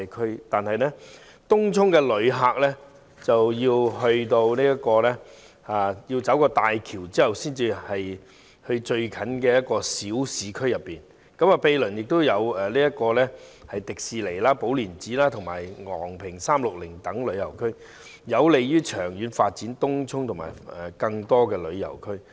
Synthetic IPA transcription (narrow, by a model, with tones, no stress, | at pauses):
kʰɵ˥ɥt̪aː˨nhɐ˨jnɛ˥ | t̪ʊ˥ŋt͡sʰʊ˥ŋkɛː˧lɵ˨˧ɥɦaː˨k̚lɛː˥ | t͡sɐ˨wjiː˧wɦɵ˧ɥt̪o˧wniː˥jɐ˥kɔː˧lɛː˥ | aː˨˧ji˧wt͡sɐ˨˥wkɔː˧t̪aː˨jkʰiː˨˩wt͡siː˥hɐ˨wsiː˥nt͡siː˧hɐ˨j | hɵ˧ɥt͡ʃɵ˧ɥkʰɐ˨˥nkɛː˧jɐ˥t̚kɔː˧siː˨˥wsiː˨kʰɵ˥ɥjɐ˨pːiː˨˩n | kɐ˨˥maː˨˧pe˧jlɵ˨˩njɪ˨k̚t̪o˥wjɐ˨˧wɛː˨liː˥jɐ˥t̚kɔː˧lɛː˥hɐ˨jt̪ɪ˨k̚siː˨˧le˨˩jlaː˥po˨˥wliː˨˩nt͡siː˨˥laː˥t̪ʰʊ˨ŋmaː˨˩jŋɔ̰ː˨˩ŋpʰɪ˨˩ŋsaː˥mlʊ˨k̚lɪ˨˩ŋt̪ɐ˨˥ŋlɵ˨˧ɥjɐ̰˨˩wkʰɵ˥ɥ | jɐ˨˧wle˨jjyː˥t͡ʃʰœː˨˩ŋjyː˨˧nfaː˧t̚t͡si˨˥nt̪ʊ˥ŋt͡sʰʊ˥ŋt̪ʰʊ˨˩ŋma̰ː˨˩jɛ˨kɐ˧ŋt̪ɔː˥kɛː˧lɵ˨˧ɥjɐ̰˨˩wkʰɵ˥ɥ